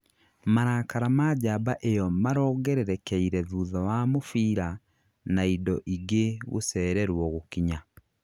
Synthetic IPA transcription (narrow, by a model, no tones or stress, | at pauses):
maɾaːkaɾamad͡ʑabaʔejɔmaɾɔːɡɛɾeɾɛkɛiɾɛðuːðawamofiːɾa | naidɔʔiɡeɣo̰sɛːɾɛɾwɔɣokiɲa